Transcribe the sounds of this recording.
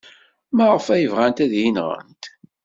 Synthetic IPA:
məʁəfæjəvʁænt̪æðjinʁə̰nt̪

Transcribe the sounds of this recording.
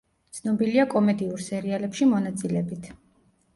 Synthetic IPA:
t̪sʰnɔbiliakʼɔmɛd̪iuɾsɛɾialɛpʃimɔnat̪sʼilɛbit̪ʰ

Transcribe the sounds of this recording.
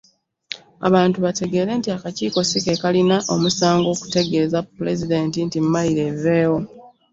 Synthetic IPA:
a̰βaːntuβate̞ɡe̞ːɾe̞ːntiakaciːko̞sike̞kalinaʔo̞musaːŋɡo̞ːku̥te̞ɡe̞ːzapːule̞zide̞ːntintimmaliɾe̞ve̞ːwo̞

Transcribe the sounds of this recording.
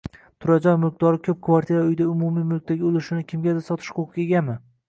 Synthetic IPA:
t̪ʰʊɾad͡ʒɒnmɪq̚d̪ɒɾɪkʲʰɵp̚kʰvaɾt̪ʰiɾaʊjd̪aʊmʊmijmʊlˠk̚ʲt̪aɡʲɪolɪʃɪnɪkʲʰɪmɡʲad̪asɒt̪ʰɪ̥ʃqʰoqʰʲeɡʲanmɪ

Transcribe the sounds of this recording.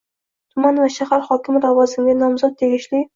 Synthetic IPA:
t̪ʰʊmanvaʃahaɾhɒkʲʰɪmɾavɒzɪŋɡʲanɒmzɒt̪̚ːʰe̞ɡʲɪʃlɪ

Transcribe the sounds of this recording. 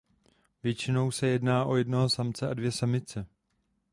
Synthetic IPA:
vjɛt͡ʃɪno̞wsɛjɛdnaːʔo̞jɛdnoɦosamt͡sɛʔadvjɛsamɪt͡sɛ

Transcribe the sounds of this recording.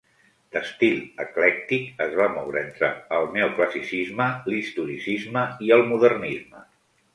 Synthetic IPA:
d̪əst̪iləklɛk̚t̪ikəzβamɔwɾəent̪ɾə̰ːlˠneukləsisizməlist̪uɾisizməiəlˠmuðərnizmə

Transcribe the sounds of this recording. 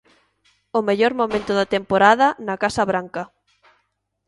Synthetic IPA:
ʊmeʎoɾmomẽnt̪ʊðɐt̪empoɾaðɐnakasɐβɾaŋkɐ

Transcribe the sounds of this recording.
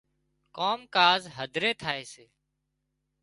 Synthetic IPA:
koːmkaːzɦəd̪ʱɾeːt̪ʰaːeːseː

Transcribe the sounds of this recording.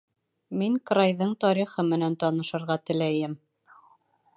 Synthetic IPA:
miŋkrajðɤɴt̪ɒɾiχɤmɘ̆nænt̪ɒnɤ̆ʃɤ̆ɾʁɑt̪ɘ̆læjɘm

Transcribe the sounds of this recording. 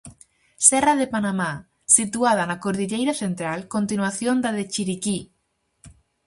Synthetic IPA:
sɛraðepanama | sit̪uað̞anakoɾðiʎejɾaθent̪ɾalkont̪inwaθjõnd̪aðet͡ʃiɾiki

